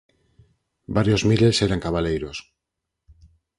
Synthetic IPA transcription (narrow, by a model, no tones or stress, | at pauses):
baɾjozmiɾelseɾaŋkaβalejɾos